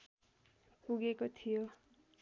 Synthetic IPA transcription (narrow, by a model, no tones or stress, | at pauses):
puɡekot̪ʰijo